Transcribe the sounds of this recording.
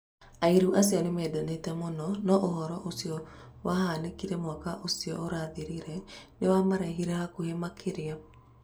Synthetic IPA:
aiɾuʔasiɔnemɛːdanetɛmonɔnɔʔoɦɔɾɔʔosiɔwahanekiɾɛmwakaʔosiɔʔoɾaðeɾiɾɛnewamaɾɛɦiɾɛhakohemakʰeɾea

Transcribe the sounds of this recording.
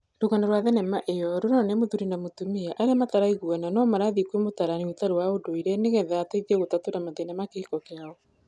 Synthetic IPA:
ɾuɣanaɾwaðɛnɛmaʔejɔɾoɾoanemoðuɾinamotumiaʔaɾeamataɾaiɣuɛnanɔmaɾaðikuemotaɾaniotaɾowaodoiɾɛneɣɛðataiðiɛɣotatoɾamatenamakeikɔkeaɔ

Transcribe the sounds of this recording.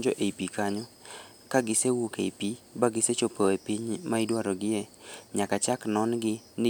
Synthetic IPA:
d͡ʒɔʔeipikaɲɔ | kaɡɪsewokepi | baɡɪset͡ʃopoepiɲmaɪdwaɾɔɡɪjeɲakat͡ʃaknɔnɡɪnɪ

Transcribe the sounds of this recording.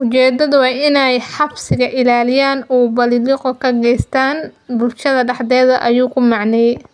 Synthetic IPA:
ʔʊt͡ʃɛːd̪ɐðʊwɑːʔɪnɛjħɑbsɪɣɐʔɪlaːlɪjaːnuːbɐliliqɔkʰɐɡɛjst̪ʰaːnbʊlʃɐðɐɖɑħd̪ɛːðɐʔɐjuːkʰʊmɑʕnɛj

